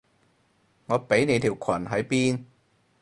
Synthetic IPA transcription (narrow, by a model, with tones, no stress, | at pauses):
ŋɔː˨˧pe˨˥jne˨˧jt̪ʰiː˨˩wkʷʰwɐ˨˩nɦɐ˨˥jpiː˥n